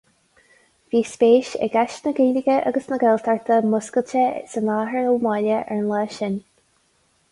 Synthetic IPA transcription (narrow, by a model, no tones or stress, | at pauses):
viːspeːʃɛ̰ɡaʃnəɡeːlɪɡəʔa̰ɡəsnəɡɛlt̪ʰaɹt̪ʰəmʊskəlt͡ʃəsənaːɦəɹəlmalʲəʔɛɹnlaːʃɪn